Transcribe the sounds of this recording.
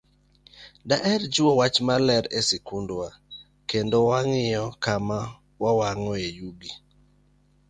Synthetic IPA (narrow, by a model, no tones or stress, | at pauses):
daʔɛɾd͡ʒʊwɔwat͡ʃmalɛɾesikundowa | kendowaŋɪjɔkama | wawaŋɔejuɡi